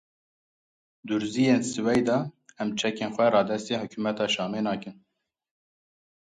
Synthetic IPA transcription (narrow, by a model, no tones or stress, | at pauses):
d̪uɾziːjeːnsɨwɛjd̪ɑɛmt͡ʃʰɛkeːnxʷɛɾɑːd̪ɛst̪eːhʊkʰuːmɛt̪ɑːʃɑːmeːnɑːkɨn